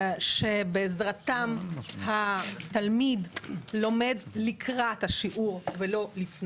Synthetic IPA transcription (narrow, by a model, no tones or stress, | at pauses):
ʃe̞beːzʁat̪amhat̪almidlo̞me̞dlikʰʁat̪haʃiʔuʁvelo̞lifn